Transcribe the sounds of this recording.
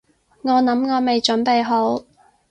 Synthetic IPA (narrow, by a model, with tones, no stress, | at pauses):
ŋɔː˨˧nɐ˨˥mŋɔː˨˧me˨jt͡ʃɵ˨˥npe˨jɦo˨˥w